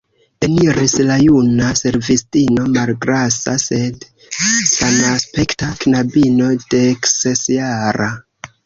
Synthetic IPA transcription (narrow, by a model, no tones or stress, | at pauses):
eniɾislajunase̞ɾvistino̞malɡɾasa̰se̞d | sanaspe̞ktaknabino̞de̞ksesjaɾa